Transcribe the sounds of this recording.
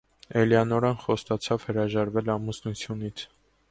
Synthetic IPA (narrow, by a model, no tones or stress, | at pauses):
ɛljɑnɔɾɑnχɔst̪ɑt͡sʰɑvhəɾɑʒɑɾvɛlɑmusnut͡sʰjunit͡sʰ